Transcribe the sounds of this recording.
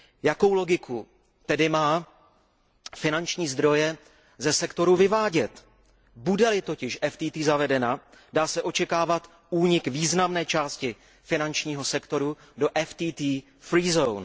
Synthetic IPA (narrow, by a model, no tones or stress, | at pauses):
jako̞wlo̞ɡɪkʰu | t̪ɛdɪmaː | fɪnant͡ʃɲiːzd̪ɾo̞jɛ | zɛsɛkt̪o̞ɾuvɪvaːɟɛt̪ | budɛlɪt̪o̞cɪʃʔɛft̪iːt̪iːzavɛdɛna | daːsɛʔo̞t͡ʃɛkaːvat̪ | uːɲɪkviːznamnɛːt͡ʃaːscɪ | fɪnant͡ʃɲiːɦo̞sɛkt̪o̞ɾu | do̞ʔɛft̪iːt̪iː | fɾiːzown